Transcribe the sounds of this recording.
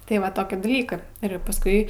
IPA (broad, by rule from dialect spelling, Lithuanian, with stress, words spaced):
tɐɪ ˈʋɐ ˈtoːkʲiː dɐˈlʲiːkɜ ɪr pɐsˈkʊɪ